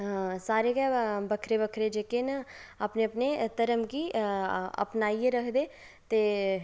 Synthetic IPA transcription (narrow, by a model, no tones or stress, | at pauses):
saːɾeːɡɛbəkʰɾeːbəkʰɾed͡ʒeːkenəaːpneːəpnet̪əɾəmɡiː | ə̰pnaːiːeɾəkʰd̪eː | t̪eː